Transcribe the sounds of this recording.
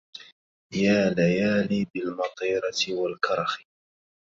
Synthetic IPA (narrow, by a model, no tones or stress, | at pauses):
jaːlajaːniːbɪlmɑt̪ˤiːɾˤɑt̪ɪwalkɑɾˤɑxɪ̥